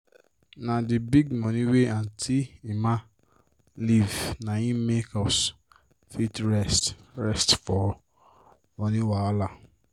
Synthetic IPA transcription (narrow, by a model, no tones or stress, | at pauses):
nãdibiɡmɔ̃nĩweãntʰiimã | livnãjĩmekɔs | fitɹɛstɾɛstfɔ | ɔ̃nĩwaɔla